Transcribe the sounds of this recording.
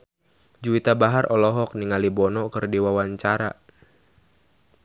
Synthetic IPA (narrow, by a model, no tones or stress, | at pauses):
d͡ʒuit̪abaɦarʔɔlɔɦɔk̚niŋalibɔnɔkɨrdiwawaɲt͡ʃaɾa̰